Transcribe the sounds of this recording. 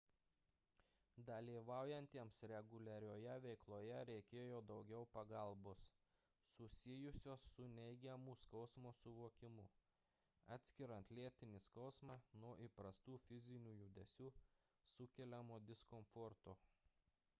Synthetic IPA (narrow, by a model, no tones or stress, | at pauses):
d̪ɐlʲiːʋɑˑʊjɛnʲt̪ʲiɛmsɾʲɛɡʊlʲɛɾʲoːjɛʋʲɛɪklˠoːjɛɾʲɛɪkʲeːjoːd̪ɒʊɡʲɛʊpɐɡɐlˠboːsː | ʊsʲɪjʊsʲoːsːʊnʲɛɪɡʲɛmʊskɒʊsmoːsʊʋoːkʲɪmʊ | ɑːt̪ʲsʲkʲɪɾɐnt̪lʲiɛt̪ʲɪnʲɪskɒʊsmɑːnuɔʔipɾɐst̪uːfʲɪzʲɪnʲuːjʊd̪ʲɛsʲuː | sʊkʲɛlʲɛmoːd̪ʲɪskɔmfɔɾt̪oː